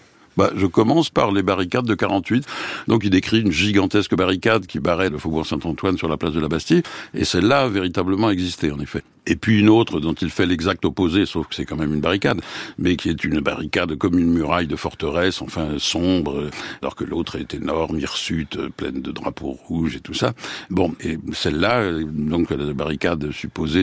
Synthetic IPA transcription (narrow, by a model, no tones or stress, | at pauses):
ba̰ʒəkɔmɑ̃spa̰ʁlebaʁikad̪ːəkaʁɑ̃t̪ɥit̪d̪ɔ̃k̬ild̪ekχiynʒiɡɑ̃t̪ɛskəbaʁikad̪kʲipaʁɛdəfobuʁsɛ̃t̪ɑ̃t̪wansyʁlaplasd̪əlabast̪iḛsɛlːaːveʁit̪abləmɑ̃ɛɡzist̪eɑ̃nefɛ | epɥiynot̪χəd̪ɔ̃t̪ilfɛlɛɡzak̚t̪ɔpozesofkə̥sɛkɑ̃mɛmynbaʁikad̪mɛkʲʰiɛt̪ʰynba̰ʁikad̪kɔmynmyʁajd̪əfɔʁt̪əʁɛsɑ̃fɛ̃sɔ̃bʁəlɔ̰ʁkəlot̪χɛt̪ɛnɔʁmiʁsyt̪ø̰plɛ̰nd̪əd̪ʁa̰po̰ʁuʒet̪usabɔ̃esɛlːad̪ɔ̃klabaʁikad̪sypoze